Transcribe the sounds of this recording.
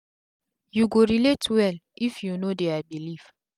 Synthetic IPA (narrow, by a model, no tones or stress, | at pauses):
juɡoɹiletwɛlifjunodeabiliv